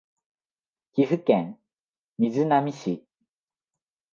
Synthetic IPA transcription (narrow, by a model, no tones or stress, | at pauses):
kʲiɸɯ̟kẽŋ | mʲizɨnamʲiɕi